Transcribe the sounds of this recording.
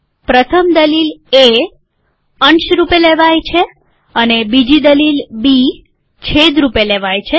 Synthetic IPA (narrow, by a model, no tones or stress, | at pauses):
pɾət̪ʰəmd̪əlile | əɳʃɾupeleʋajt͡ʃʰe | ənebid͡ʒid̪əlilbi | t͡ʃʰed̪ɾupeleʋajt͡ʃʰe